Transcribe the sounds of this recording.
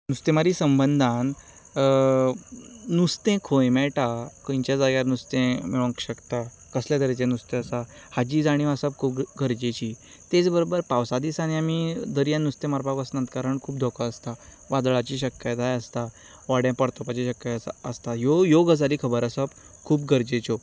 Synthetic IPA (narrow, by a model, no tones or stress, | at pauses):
nust̪ẽmaɾisəmbənd̪ʱãn | nust̪ẽkʰojmɛʈakə̃j̃t͡ɕjad͡zaɡjaɾnust̪ẽmiɭõŋkɕəkt̪a | kəsljad̪əɾit͡sẽnust̪ẽəsa | had͡ʑiːd͡zaɽ̃ĩʋasəb̚kʰuːpɡʱəɾd͡ʑet͡ɕiː | t̪et͡sbəɾobəɾpaʋsad̪isañiamid̪əɾijãnust̪ẽmaɾpakəsnãnt̪kaɾəɳkʰuːp̚d̪ʱɔkəəst̪a | ʋad̪ɭat͡ɕiɕəkjət̪ajəst̪a | ʋaɽjãpəɽt̪ʰopat͡ɕiɕəkjəəst̪ajojoɡəd͡zaɾiːkʰəbəɾəsəb | kʰuːpɡʱəɾd͡ʑet͡ɕo